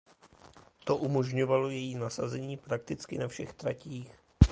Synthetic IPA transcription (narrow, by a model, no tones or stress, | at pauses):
t̪o̞ʔumo̞ʒɲo̞valo̞jɛjiːnasa̰zɛɲiːpɾak̚t̪ɪt͡skɪnafʃɛxt̪ɾaciːx